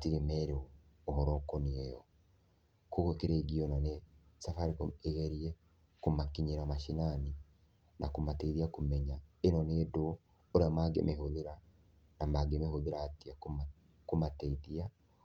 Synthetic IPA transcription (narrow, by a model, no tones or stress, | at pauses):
atiɾemɛɾeɔ | oɦɔɾɔkɔneɛjɔ | koɣokeɾeɡiɔnɔne | safaɾikoeɣɛɾiɛ | komakiɲeɾamaʃinani | nakomateðiakomɛɲaenɔnedo | oɾeamaɡḛmʔehoðeɾa | namaɡemehoðeɾatiak | komatɛiðia